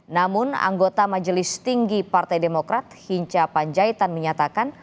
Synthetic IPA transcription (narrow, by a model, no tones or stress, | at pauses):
namʊna̰ŋɡot̪amad͡ʒəlɪst̪iŋɡipart̪ajdemokɾat̪̚hiɲt͡ʃapaɲd͡ʒait̪anməɲat̪akan